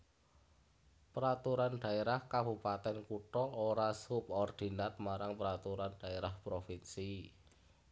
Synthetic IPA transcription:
pəɾat̪uɾanɖ̥ä̤eɾahkabupat̪ɛnkuʈɔoɾasʊp̚ɔrd̪̥i̤nat̪̚maɾaŋpəɾat̪uɾanɖ̥a̤eɾahpɾofinsi

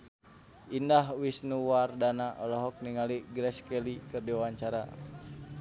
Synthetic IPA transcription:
indaɦwisnuwardanaʔɔlɔɦɔk̚niŋaliɡɾɛskɛlikɨrdiwawaɲt͡ʃaɾa̰

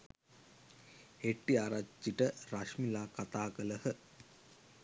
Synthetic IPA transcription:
eʈːiaɾat͡ʃːiʈəraʂmilaːkat̪aːkələhə

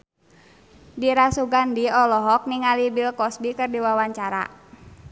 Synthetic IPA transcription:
diɾasuɡandiɔlɔɦɔk̚niŋalibilkɔsbikɨrdiwawaɲt͡ʃaɾa̰

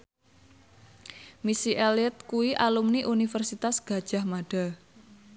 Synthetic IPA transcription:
misiʔelət̪̚kuiʔalumniʔunifərsit̪asɡ̥a̤d̥ʒ̥a̤hmaɖ̥a

